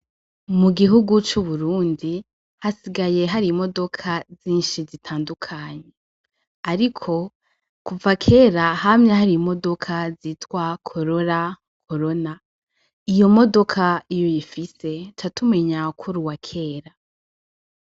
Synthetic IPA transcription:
muɡiɦuɡut͡ʃuβuɾuːndi | hasiɡaje̞ɦaɾimo̞do̞kʰaziːnʃizitʰaːndukʰaɲe̞ | aɾikʰo̞ | kuvakʰe̞ːɾahamɲahaɾimo̞do̞kʰaziːtwakʰo̞ɾo̞ɾa | kʰo̞ɾo̞na | ijo̞mo̞do̞kʰaijojifise̞t͡ʃatume̞ɲakʰuɾuwakʰe̞ːɾa

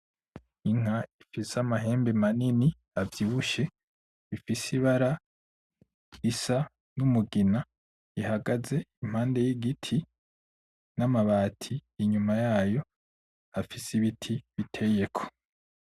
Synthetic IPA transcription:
iŋ̥aifisamaɦe̞ːmbemanini | avjiβuʃe̞ | ifisiβaɾa | isa | numuɡina | ihaɡaze̞im̥haːnde̞jiɡitʰi | namaβaːtʰijːɲumajaːjo̞ | afisiβitʰiβitʰeje̞kʰo̥

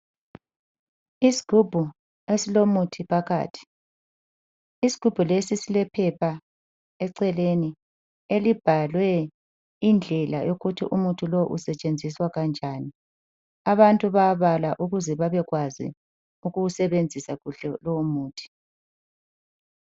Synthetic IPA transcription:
isi̥ɡ̥ʱub̥ʱu | esilomutʰipʰaɣa̰ːtʰi̥ | isi̥ɡ̥ʱub̥ʱulesisilɛpʰɛpʰa | ɛǀɛleni | elib̥ʱalwɛ | ind͡ɮʱɛla̰joɣutʰḭʔumutʰʼuloʔṵsɛt͡ʃʼend͡zʱiswaɣand͡ʒʱani | aβantʼuβaβalaʔuɣuzɛβaβɛɣwazḭ | uɣuusɛβend͡zʱisaɣuɬɛlɔmuːtʰi̥

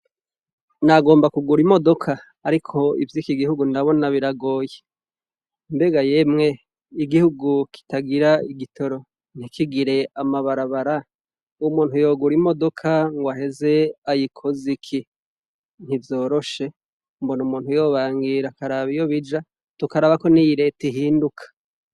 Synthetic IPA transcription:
naɡo̞ːmbakuɡuɾimo̞do̞kʰaː | ɾikʰo̞ḭvjiːkiɡihuɡundaβo̞naβiɾaɡo̞ːje | mbe̞ɡajemŋe̞ | iɡihuɡukʰi̥taɡiɾaiɡitʰo̞ɾo̞ | n̥hikiɡiɾe̞amaβaɾaβaɾa | uumuːnhujo̞ɡuɾimo̞do̞kʰaŋɡwaɦe̞ze̞ajikʰozikʰi | n̥ivjo̞ːɾo̞ʃe̞ | mbonumuːnhujo̞βaːŋɡiɾakaɾaβijo̞βid͡ʒa | tukaɾaβako̞nijiɾe̞teɦiːndukʰḁ

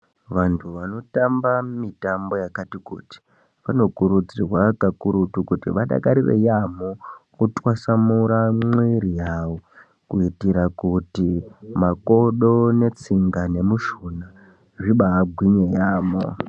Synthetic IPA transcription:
ʋantʰuʋano̞tambamitambo̞jakatikṵːti̥ | ʋano̞kuɾud͡zirwakakuɾutukutiʋaɗa̰kaɾiʋḛjamokutwasamuɾamwiɾijaːwo | kuitiɾakutimako̞ɗone̞t͡siŋɡane̞muʃuna | ʐiɓaːɡʱwiɲejaːmo̰

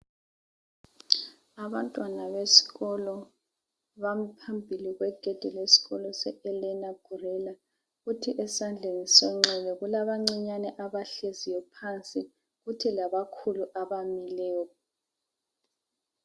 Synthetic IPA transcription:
aβantʼwanaβesi̥ɣɔlɔ | βam̩pʰambʱiliɣwɛɡ̥ʱɛd̥ʱɛlesi̥ɣɔlɔsɛɛlɛnaɡ̥ʱurɛla | ɣutʰiʔɛsand͡ɮʱenisɔŋ͡ǁɛlɛɣulaβaŋ͡ǀiɲanɛʔaβaɬezijɔpʰant͡sʼi | ɣutʰilaβakʰuluʔaβamilɛː

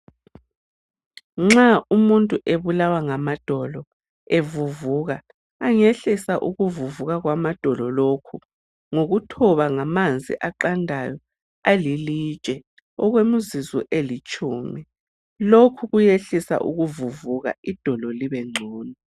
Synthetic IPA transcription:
ŋ͡ǁaumuntʼuʔeβulawaŋamad̥ʱɔlɔ | evuvuːɣaː | ŋeɬisaʔuɣuvuvuɣaɣwamad̥ʱɔlɔlokʰu | ŋoɣutʰɔβaŋamand͡zʱḭʔaǃandʱajɔ | alilit͡ʃʼɛ | ɔɣwemuzizɔ̰ʔelit͡ʃʼuːmi | lokʰuɣujeɬisa̰ʔṵɣuvuvuɣa̰id̥ʱɔlɔliβɛŋ͡ǀʱɔːni

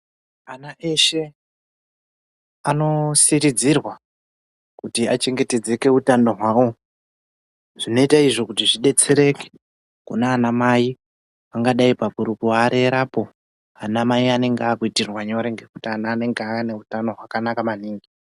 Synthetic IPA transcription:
anaʔe̞ʃe̞ | ano̞siɾid͡zirwa | kutiat͡ʃe̞ŋɡe̞te̞d͡ze̞ke̞utando̞ɦwawo̞ | ʐ̥ino̞itaiʐo̞kutiʐiɗe̞t͡se̞ɾe̞ke̥ | kṵnaːnamai | aŋɡaɗaipakuɾukuaɾeɾapo̞ | anamaiane̞ŋɡeakuitirwaɲoɾeŋɡe̞kutianaːne̞ŋɡeaane̞utano̞ɦwakanakamaniːŋɡi

